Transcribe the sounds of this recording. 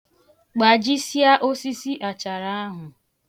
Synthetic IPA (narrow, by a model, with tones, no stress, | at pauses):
k͡pa˨d͡ʒi˦sja˦ʔo˦si˦si˦ʔa˨t͡ʃa˨ɾa˦a˦ɦʊ˨